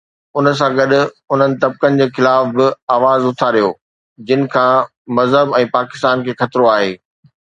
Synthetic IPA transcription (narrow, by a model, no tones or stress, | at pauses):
ʊnə̆s̬ãɡɐɗʊ̆ | ʊn̤ənɪ̆t̪ɐb̚kənɪ̆d͡ʑeːxɪlaːfbɪaːʋaːzʊt̪ʰaɗijoː | d͡ʑɪnɪ̆kʰãː | mɐzɦəbɛ̃ːpaːkɪ̥st̪aːnkʰeːxɐt̪ɾoaːɦeː